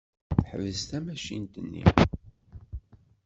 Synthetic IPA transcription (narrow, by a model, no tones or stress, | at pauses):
ħəvəzt̪æmæʃḭnt̪ənːḭ